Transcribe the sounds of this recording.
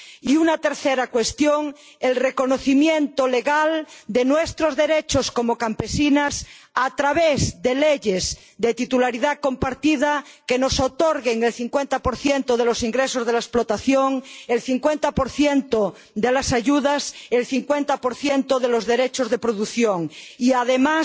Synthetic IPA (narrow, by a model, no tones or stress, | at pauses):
iunat̪e̞ɾθeɾakwest̪joŋ | elreko̞noθimjẽnt̪oleɣald̪enwest̪ɾozðe̞ɾet͡ʃoskomokampesinas | at̪ɾaβezd̪e̞leʝez | d̪et̪it̪ulaɾiðako̞mpaɾt̪ið̞akenosot̪oɾɣeŋelθiŋkwent̪apoɾθjent̪oð̞elo̞siŋɡɾesozðelaesplot̪aθjoŋelθiŋkwent̪apoɾθjent̪o | d̪elasaʝuðaselθiŋkwent̪apoɾθjent̪oðelozðeɾet͡ʃozðe̞pɾoðuθjoŋiaðemas